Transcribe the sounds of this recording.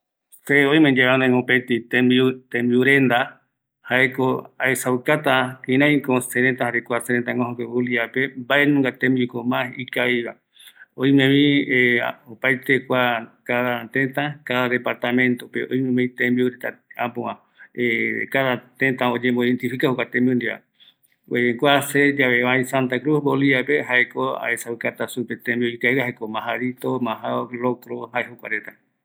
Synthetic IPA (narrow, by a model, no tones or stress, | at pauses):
seojmẽd͡ʒeβanãŋopet̪it̪emit̪ẽmbiuɾend̪a | haekoaesawkat̪akĩɾãj̃koseɾent̪ahaɾekʷaseɾent̪aŋɡõɦokewuliapembaenũŋɡat̪ẽmbikomãhikajβa | ojmẽβĩeopajt̪ekʷakaðat̪ẽt̪ãkaðaðe̞paɾt̪amẽ̞nt̪opeojmẽmẽt̪ẽmbiuɾet̪aãpõã | ekaðat̪ẽt̪ãod͡ʒẽmboðent̪ifikahokʷat̪ẽmbiũnd̪iβa̰ | weeŋɡʷased͡ʒaβeβaj̃sant̪akɾusboliβapeɦaekoa̰esaɨkat̪asupet̪ẽmbiuikajβahaekomãɦaɾit̪omãɦaolokɾoɦaeɦokʷa̰ɾet̪a